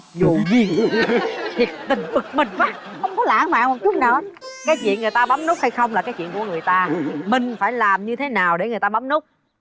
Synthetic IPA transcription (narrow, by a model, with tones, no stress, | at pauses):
zṵ˧˨zi˨˩˨t̪ʰi˨˩ək̚t̪ï˨˩ŋ̟fɨ˨˩k̚mï˨˩ŋ̟ɓaː˦˥ | xə˧wŋ͡mkɔ˨˦la̰ː˧˥nma̰ː˧˨mo˨˩t͡ɕʊ˦˥k͡p̚naː˨˩ʔkaː˨˦jt͡ɕwḭ˧˨ənŋɨ˨˩əjt̪aː˧ɓa˨˦mnu˦˥k̚ha˧jxə˧wŋ͡mlaː˨˩kaː˨˦jt͡ɕw̰i˧˨ənku˧˩əŋɨ˨˩əjt̪aː˧mï˨˩ŋ̟faː˧˩jlaː˨˩mɲɨ˧t̪ʰe˨˦naː˨˩wɗe˧˩ŋɨ˨˩əjt̪aː˧ɓa˨˦mnu˦˥k͡p̚